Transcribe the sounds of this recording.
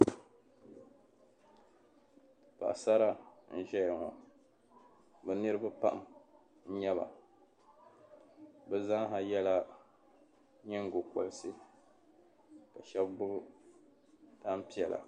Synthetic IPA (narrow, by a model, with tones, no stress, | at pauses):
pa̰˨ʔsa˦ɾa˦n̩˦ʒɛ˦jŋɔ̰˨ | bɛ˨nɨ˦ɾɨ˦ba˦pa˦ʔm | n̩˦ɲɛ˦βa̰˨ | bɛ˦za˦ŋ˦ɦa˨jɛ˦la˦ | ɲɛ˦ŋ̩˦˨ɡo˨kɔ˨lsɨ˦ | ka˨ʃɛ˦bbʊ˦ɡʊ˦ | da˦m̩˦pi˦ɛ˨la̰˨